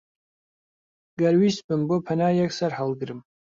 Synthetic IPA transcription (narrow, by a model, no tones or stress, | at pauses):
ɡ̥ɐrwisbɨmbopʰɐnajaksɐrħalɡɨɾɨm